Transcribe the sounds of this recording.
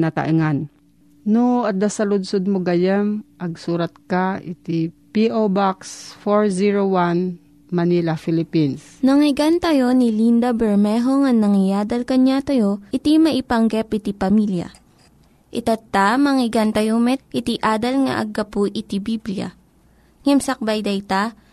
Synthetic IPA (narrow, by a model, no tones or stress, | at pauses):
nat̪a̰ʔɪŋan | noɐd̪asɐlʊd̪sod̪̚moɡɐjɛmʔɐɡ̚suːɾɐt̪̚kaɪt̪ipiʔobaksfoɹziɹowan | mɐnilafɪlɪpins | nɐŋɪɡant̪ɐjo̞nɪlind̪ɐbɛɹmɛɦoŋɐŋnːɐŋɪjaːd̪ɐlkɐɲat̪ɐjo̞ʔɪt̪imɐʔɪpɐŋɡɛpʔɪt̪ipɐmiljɐ̰ | ʔɪt̪ɐt̪amɐŋɪɡant̪ɐjomɛt̪̚ʔɪt̪iʔaːd̪ɐlŋɐ̰ʔɐ̰ɡɐpuʔɪt̪ibiblja̰ | ŋɛmsɐk̚bajd̪ɐjt̪a